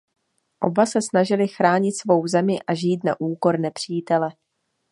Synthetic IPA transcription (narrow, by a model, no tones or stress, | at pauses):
ʔo̞̰basɛsnaʒɪlɪxɾaːɲɪt̪svo̞wzɛmɪʔaʒiːt̪na̰ʔuːko̞ɾnɛpr̝̥iːt̪ɛlɛ